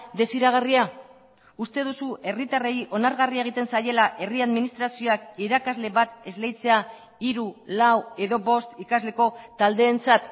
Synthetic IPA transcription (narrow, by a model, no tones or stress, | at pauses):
d̪e̞siɾaɣ̞aria | ust̪e̞ð̞usuʔe̞rit̪are̞jʔo̞naɾɣarieɣ̞it̪e̞nsaje̞laʔe̞riaðminist̪ɾasio̞akiɾakazle̞βat̪̚e̞zle̞jt͡se̞a | iɾulawe̞ðo̞βo̞st̪ikazle̞ko̞t̪ald̪e̞ːnt͡sat̪